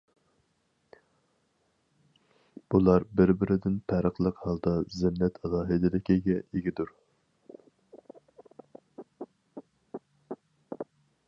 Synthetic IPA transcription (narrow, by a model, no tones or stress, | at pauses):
b̥ulˠɑɾbɪɾbɪɾɪd̪ɪnpʰæɾəqlˠəqhɑlˠd̪ɑzɪmnɛt̪ʰɛlˠɑːɦɪd̪ɪlɪkʲiɡʲɛiɡʲid̪uɾ